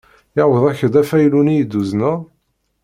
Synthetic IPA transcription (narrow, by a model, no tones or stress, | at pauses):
ɪʕwəðˤæçəd̪æfæjlunijd̪ːuznæ